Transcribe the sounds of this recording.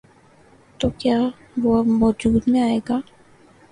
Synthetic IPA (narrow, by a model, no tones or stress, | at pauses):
t̪oːkjaː | ʋoʋɔːd͡ʒuːd̪mẽaːeːɡaː